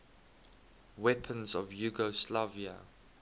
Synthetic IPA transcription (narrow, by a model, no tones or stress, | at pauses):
wɛpʰə̃nzɔvjuɡɔslavia̰